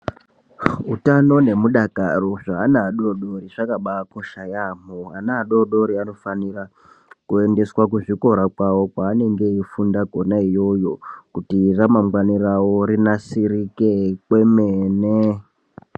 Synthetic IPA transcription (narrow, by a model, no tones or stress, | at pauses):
utano̞ne̞muɗakaroʐaːnaːɗoɗo̞ɾiʐakaɓakoʃajamoanaːɗoɗo̞ɾiano̞fanira | kue̞nde̞swak̬uʐiko̞ɾakwawo̞kwaːne̞ŋɡe̞ifundaɡʱo̞naijo̞jo̞kutiramaŋɡwanirawo̞ɾinasirike̞kwe̞mene